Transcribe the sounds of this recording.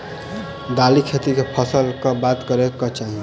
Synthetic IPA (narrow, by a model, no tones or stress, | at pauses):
d̪alikʰet̪ikepʰʌsəlkʌbat̪kʌɾekʌt͡ʃaɦĩ